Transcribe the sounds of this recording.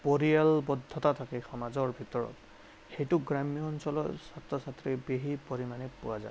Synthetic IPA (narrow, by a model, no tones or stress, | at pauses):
poɹialbɔdʱːɔtatʰakɛxɔmazɔɹbʱitɔɹɔ̰t | xejtʊɡɹamijɔːnsɔlɔ̰satɹɔsatɹibeɦipoɹimanɛpʊwaza̰e